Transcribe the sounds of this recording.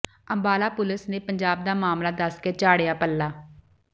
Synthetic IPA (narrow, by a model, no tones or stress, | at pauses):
əmbaːlaːpʊlɪsneːpəɲd͡ʒaːb̚d̪aːmaːmlaːd̪əskeːt͡ʃaːɽejaːpəlːaː